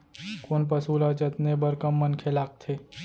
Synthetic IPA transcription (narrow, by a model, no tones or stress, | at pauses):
koːnp̬əsuːlad͡ʒət̪nebəɾkəmːənkʰelaːk̚t̪ʰe